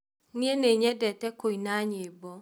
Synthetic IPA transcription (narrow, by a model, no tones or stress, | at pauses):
nieneɲɛdɛtɛkoinaɲebɔ